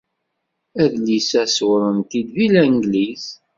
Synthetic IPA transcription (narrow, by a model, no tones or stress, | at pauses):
æðlisæswɾˤənt̪id̪vilæŋɡliz